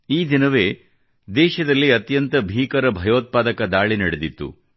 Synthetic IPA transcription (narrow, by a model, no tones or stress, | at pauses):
iːd̪inɐʋeː | d̪ɛːʃɐd̪ɐlːiɐt̪jɐnt̪ɐbʱiːkɐɾɐbʱɐjoːt̪̚paːd̪ɐkɐd̪aːɭinɐɽed̪it̪ːṵ